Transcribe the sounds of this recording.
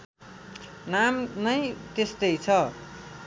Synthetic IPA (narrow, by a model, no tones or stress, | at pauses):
namnʌjt̪est̪ʌjt͡sʰʌ